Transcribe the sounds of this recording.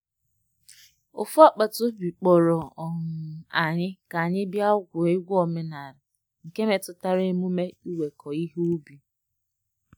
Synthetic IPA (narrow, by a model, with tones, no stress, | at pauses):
ʊ˨fʊ˦a˦k͡pa˨tʊ˦bi˨k͡pɔ˨ɾɔ˨ɔ˨ŋʊ˨a˨ɲɪ˦ka˨ɲɪ˦bja˦ʊ˦ɡʷʊ˨e˦ɡʷɔ˨me˦na˨ɾɪ˨ | ŋ̩˨ke˦me˨tʊ˨ta˦ɾe˦mu˦me˦u˦we˨kʰɔ˨i˦ɦu˦bi˨